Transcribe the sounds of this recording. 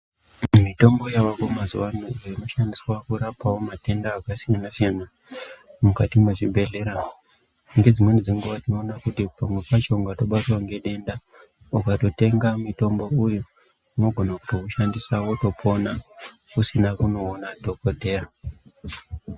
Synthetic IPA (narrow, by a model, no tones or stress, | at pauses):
mito̞mbo̞jawakomazuwanoreno̞ʃandiswakuɾapawomate̞ndaːkasijanasijana | mukatimwe̞ʐibʱe̞ɮe̞ɾa | ŋɡe̞d͡zimwe̞nid͡ziŋɡuʋatino̞ːnakutipamwe̞pat͡ʃoŋɡato̞ɓatwaŋɡe̞ɗe̞nda | ukato̞te̞ŋɡamito̞mbo̞ujo | ino̞ɡʱo̞naku̥to̞kuʃandisawo̞to̞pʰo̞na | kusinakuno̞ːnato̞ko̞te̞ːra